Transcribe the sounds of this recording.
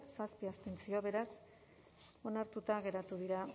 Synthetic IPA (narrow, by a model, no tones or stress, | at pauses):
saspiast̪ent͡sio̞βe̞ɾas | o̞naɾt̪ut̪aɣ̞e̞ɾat̪uð̞iɾa